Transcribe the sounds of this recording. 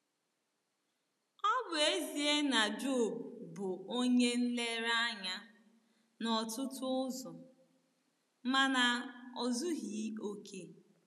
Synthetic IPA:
ɔ˦bʊ˨e˦zi˨e˦na˨d͡ʒo˦˨bʊ˨o˦ɲe˦n̩˦le˦ɾa˦ɲa˦ | nɔ˨tʊ˦tʊ˦ʊ˦zɔ˨ | ma˨na˨ɔ˨zʊ˦ɦi˨˦o˦kʰe˦

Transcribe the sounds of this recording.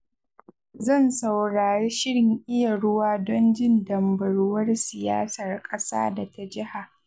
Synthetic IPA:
zɐ˦˨nsa˨wɽaː˨ɽeː˦ʃɪ˦ɽɪ˨ŋʔɪ˦ja˨ɽʊ˦waː˦dɔ˦nd͡ʒɪ˦˨ndɐ˨mbɐ˨ɽʊ˦wɐ˦rsɪ˨ja̰ː˦sɐ˨rkʼɐ˦sa̰ː˦da˨ta˦d͡ʒɪ˦ha˨ʔ

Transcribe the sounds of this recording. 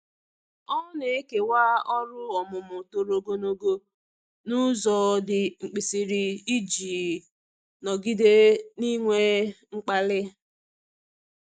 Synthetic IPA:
ɔ˦ne˨e˦ke˨waː˦ɔ˦ɾʊ˦ɔ˨mʊ˨mʊ˨to˨ɾo˨ɡo˦no˦ɡo˦ | nʊ˦zɔ˨dɪ˨ŋ͡m̩˨k͡pi˨si˨ɾi˨i˦d͡ʒiː˨ | nɔ˨ɡi˦de˦ni˦ŋʷe˦ŋ͡m̩˦k͡pa˦lɪ˦

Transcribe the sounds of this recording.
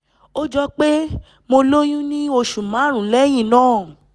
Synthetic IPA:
o˦d͡ʒɔ˧k͡pe˦ | mo˧lo˦j̃ũ˦nĩ˦o˧ʃu˨mã˨˦ɾ̃ũ˨˦lɛ˦j̃ĩ˦˨nãː˦˨

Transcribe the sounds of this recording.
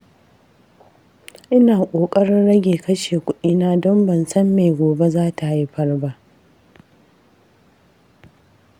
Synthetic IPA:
ʔɪ˦naː˨kʷʼoː˨kʼɐ˦ɽɪ˦nɽɐ˦ɡʲeː˨kɐ˦ʃeː˨kʷʊ˦ɗiː˦naː˦dɔ˦mbɐ˨nsɐ˦mːeː˨ɡʷoː˨be˦zaː˦ta˨hi˦ɸɐ˦rba˦ʔ

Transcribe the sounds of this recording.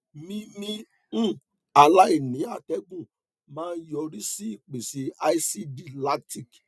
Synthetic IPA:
mĩ˦mĩ˦˨ | a˨la˦i˦˨nĩ˨˦a˦˨tɛ˦ɡũ˦˨ | mãː˦˧n̩˦jɔ˧ɾi˦si˦i˦˨k͡pe˨se˨a˧i˦si˦di˦la˦ti˦˨k

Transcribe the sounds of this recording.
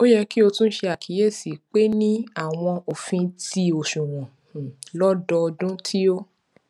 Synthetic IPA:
o˦jɛ˧ki˦o˧tũ˦ʃe˧a˨kʰi˨˦je˦˨si˨k͡pe˦nĩ˦a˦˨w̃ɔ̃˧o˨fĩ˧ti˧o˨ʃũ˨w̃ɔ̃˨ | lɔ˦dɔ˧ɔ˧dũ˦tʰi˦o˦

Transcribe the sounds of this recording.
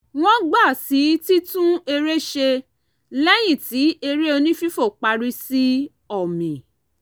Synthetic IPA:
w̃ɔ̃˦ɡ͡ba˦˨si˨˦ti˦tũ˦e˧ɾe˦ʃe˧ | lɛ˦j̃ĩ˦˨ti˨˦e˧ɾe˦o˧nĩ˦fi˦fo˦˨k͡pa˧ɾi˧si˦ | ɔ˦˨mĩ˨

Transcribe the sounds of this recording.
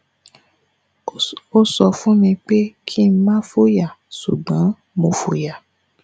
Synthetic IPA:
o˦sɔ˧fũ˦mĩ˧k͡pe˦kʰi˦mã˦fo˦ja˦˨su˨ɡ͡bã˨˦ | mõ˧˨fo˨ja˨

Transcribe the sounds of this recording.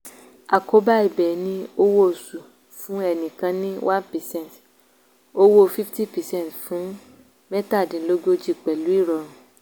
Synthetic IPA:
a˨ko˨˦ba˦i˨bɛ˨nĩ˧o˧wo˦˨su˨ | fũ˨˦ɛ˦˨nĩ˨kã˧nĩ˦wʔã˦npɛ˨sɛ̃˦˨nt | o˧wo˦fi˦fti˦˨pɛ˨sɛ̃˦˨tfũ˨˦ | mɛ˦ta˦˨dĩ˨˦lo˦ɡo˦d͡ʒi˦˨k͡pɛ˨lu˨˦i˦˨ɾɔ˧ɾ̃ũ˨

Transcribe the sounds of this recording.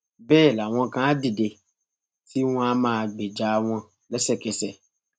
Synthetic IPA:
bɛː˦˨la˨w̃ɔ̃˧kã˦a˦di˦˨de˧ | ti˦w̃ɔ̃˧a˦mãː˦˧ɡ͡be˨d͡ʒa˨˦˧w̃ɔ̃˧ | lɛ˦sɛ˦˨kɛ˧sɛ˨

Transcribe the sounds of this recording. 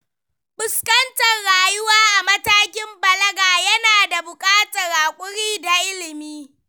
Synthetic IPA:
bʊ˨skɐ˦ntɐ˨rɽaː˨jʊ˦waː˦ʔa˨mɐ˦taː˦kʲɪ˦mbɐ˨lɐ˦ɡaː˨jɐ˦naː˨da˨bʊ˨kʼaː˦tɐ˨ɾaː˨kʷʼʊ˦ɽiː˦da˨ʔɪ˦lɪ˨miː˦

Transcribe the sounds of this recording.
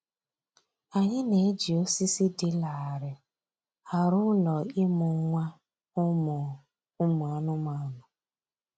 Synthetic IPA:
a˨ɲɪ˦ne˨˦d͡ʒi˨o˦si˦si˦dɪ˨la˨a˨ɾɪ˨ | a˨ɾʊ˦ʊ˦lɔ˨ɪ˦mʊ˨˦ŋʷa˦ | ʊ˦mʊ˨ | ʊ˦mʊ˨a˨˦nʊ˦ma˨nʊ˨

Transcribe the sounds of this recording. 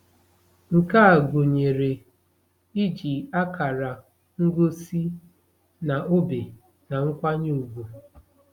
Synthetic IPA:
ŋ̩˨ka˦a˨ɡo˨ɲe˨ɾe˨ | i˦d͡ʒi˨a˦ka˨ɾa˨ | ŋ̩˦ɡo˦si˦ | na˨ʔo˦be˨ | na˨ŋ̩˦kʷa˦ɲe˦u˨ɡu˨

